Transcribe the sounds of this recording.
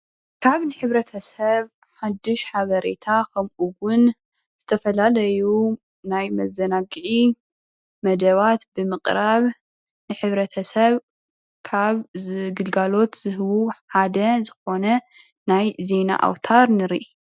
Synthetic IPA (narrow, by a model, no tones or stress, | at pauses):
kʰaβnɨħɨβɾɐt̪ʰɐsɐβ | ħad̪ːɨʃħaβɐɾe̞t̪ʰakʰɐmʔuwʊn | z̥ɨt̪ʰɐfɐlalɐju | najmɐzːɐnaɡɨʕi | mɐd̪ɐβat̪bɨmɨqʼɾaβ | nɨħɨβɾɐt̪ʰɐsɐβ | kʰaβɡɨlɡalo̞t̪z̥ɨhɨwuħħad̪ɐzɨxo̞nɐ | najze̞na̰ʔa̰wt̪ʰaɾnɨɾiʔ